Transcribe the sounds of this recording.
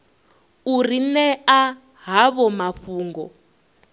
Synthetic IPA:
urinɛa | ɦaβɔmaɸuːŋɡɔ̰

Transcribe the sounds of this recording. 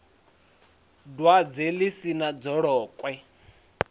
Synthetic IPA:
dwad͡zelisinad͡zɔɺɔːkʼwɛ

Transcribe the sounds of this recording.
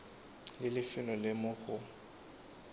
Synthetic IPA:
lɪlɪfɪlɔlɪmʊɣʊ

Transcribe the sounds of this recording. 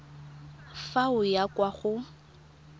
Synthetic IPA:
faʊjakʼwaχʊ

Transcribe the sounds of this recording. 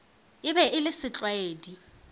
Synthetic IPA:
ɪbɛʔɪlɪsɪt͡ɬʼweːdi

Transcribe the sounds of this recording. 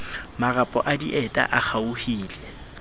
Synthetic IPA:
marapʼɔ̰ʔadiʔɛtʼa̰ʔak͡xʰauhiːlɛ

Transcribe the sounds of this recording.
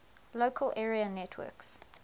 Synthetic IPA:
loʊkʰəlʔɛːɹiənɛtʰwɜ̰ːks

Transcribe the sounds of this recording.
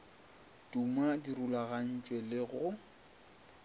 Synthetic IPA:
tʼumadiɾulaɣan̩t͡ʃʼwɛlɪɣʊ

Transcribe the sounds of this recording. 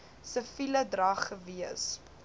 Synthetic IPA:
səfilədrɐχəviəs

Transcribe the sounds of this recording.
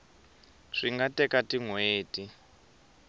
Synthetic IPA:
ʂiŋɡatɛkatiŋweːti

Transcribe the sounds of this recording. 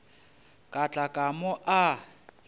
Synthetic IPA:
kʼat͡ɬʼakʼamʊʔa

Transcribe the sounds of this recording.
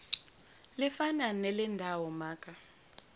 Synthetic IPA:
lifananɛlɛndʱawɔmaːkʼa

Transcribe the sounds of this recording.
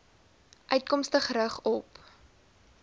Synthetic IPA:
ʔœɥtkɔmstəχɾəχɔp

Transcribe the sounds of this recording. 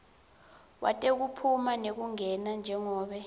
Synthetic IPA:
wa̰tʼek̬upʰumanek̬uŋɛnand͡ʒʱɛŋɔːɓɛ

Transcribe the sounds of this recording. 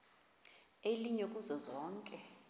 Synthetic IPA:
eliɲekʼuzɔzɔːŋkʼɛ

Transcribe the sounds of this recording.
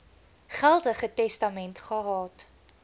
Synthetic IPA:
χælˠdəχətɛstɐmɛntχɑrɑːt

